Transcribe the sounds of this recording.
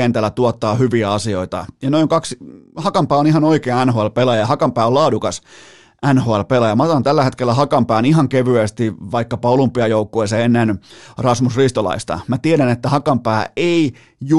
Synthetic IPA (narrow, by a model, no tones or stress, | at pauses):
ent̪ælːˑæt̪uot̪ːɑːhyʋiæɑsioit̪ɑ̰jɑnoiŋkɑkshɑkɑmpæːonihɑnoikeːnænhoælpelɑjɑjɑhɑkɑmpæːollɑːdukɑs | ʔænhoælpelɑjɑmɑt̪ɑɑnt̪ælːæhet̪kelːæhɑkɑmpæːniɦɑŋkeʋyest̪iʋɑikːɑpɑolumpːiɑjoukːoeseenːenrɑsmusrist̪olɑ̰ist̪ɑ̰mæt̪ieɾænet̪ːæhɑkɑmpæːei | ju